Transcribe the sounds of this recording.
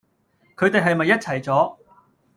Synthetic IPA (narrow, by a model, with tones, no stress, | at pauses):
kʰɵ˨˧ɥt̪e˨jɦɐ˨jmɐ˨jːɐ˥t̚t͡sʰɐ˨˩jt͡sɔː˨˥